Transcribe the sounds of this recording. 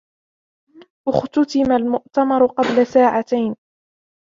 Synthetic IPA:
ʔʊxt̪ʊt̪ɪmalmʊʔt̪amɑɾˤʊqɑblasaːʕat̪ajn

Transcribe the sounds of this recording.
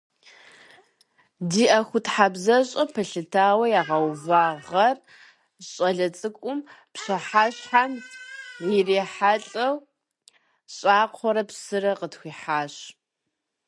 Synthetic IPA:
diːʔɐxʷʊtħabzɐɕʼɐpʰɐɬɨtʰaːwɐjaːʁɐwvaːʁɐr | ɕʼɐɮɐt͡sʼɨkʷʼʊmpɕɐħaːɕħanjɪreːħaɬʼɐw | ɕʼaːqʷʰɔɾɐpsɨrɐqətxʷiːħaːɕ

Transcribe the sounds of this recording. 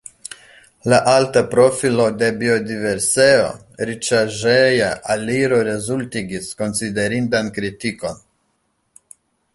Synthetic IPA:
laʔaltapɾo̞filo̞de̞bio̞dive̞ɾse̞o̞̰ | ɾit͡ʃaʒejaʔaliɾo̞ɾe̞zultiɡisko̞nside̞ɾindankɾitiko̞n

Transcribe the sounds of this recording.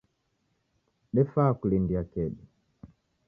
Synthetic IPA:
ɗɛfaːkulindiakɛɗi

